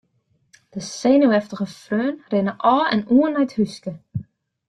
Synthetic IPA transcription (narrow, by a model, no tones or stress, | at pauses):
d̥əseːnəwɛftəɣəfrøːnrɪnəʔɔːɛ̰nuənɛjthyskə